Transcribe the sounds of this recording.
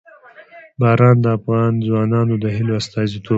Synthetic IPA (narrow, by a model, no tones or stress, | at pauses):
bɑːɾɑnd̪əafɣɑnzwɑːnɑnod̪əɦɪloast̪ɑzit̪ʰo